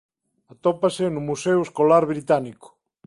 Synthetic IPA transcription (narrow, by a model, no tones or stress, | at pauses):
at̪ɔpasenumuseweskolaɾβɾit̪aniko̥